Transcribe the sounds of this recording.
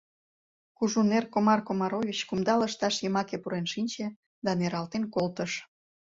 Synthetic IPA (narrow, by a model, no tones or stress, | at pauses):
kuʒunerkomɑrkomɑɾovʲit͡ɕkumd̪ɑləʃt̪ɑʃjəmɑkepuɾenʃinʲt͡ɕe | d̪ɑneɾɑlt̪enkolt̪əʃ